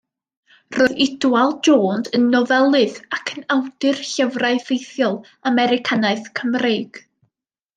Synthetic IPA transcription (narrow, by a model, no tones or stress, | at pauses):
roðɪdwalˠd͡ʒoːndənːɔvɛlˠɨðakʰənawdɨrɬəvraɨvejθjɔlˠ | amɛɾɪkʰanaɨθkʰəmreːɡ̥